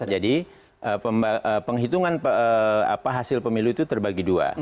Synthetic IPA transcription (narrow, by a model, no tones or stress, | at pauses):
d͡ʒadi | ʔəəʔəpəŋɦit̪uŋanpəa̰paɦasɪlpəmiluit̪ut̪ərbaɡidua̰